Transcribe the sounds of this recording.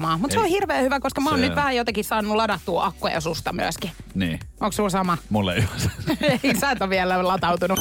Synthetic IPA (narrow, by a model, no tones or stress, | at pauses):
mɑːmut̪seohirʋeːhyʋækoskɑmoːnyt̪ʋæhæjot̪ɑkissɑːnnːulɑdɑt̪ːuːʔɑkːojɑ̰sust̪ɑmy̰æ̰skinḭːʔoŋkssuːlsɑmɑmulːḛyhæsɑ̥eisæːt̪oʋiælælɑt̪ɑut̪unu